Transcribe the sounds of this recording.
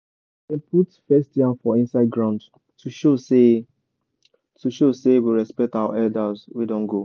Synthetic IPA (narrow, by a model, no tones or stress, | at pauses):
ɛ̃pʰutfɛstjãnfɔĩnsaɪd̚ɡɹãʊ̃nd | tʰuʃose | tuʃosewiɹɛspɛk̚tawa̰ʔɛldazwidɔ̃nɡo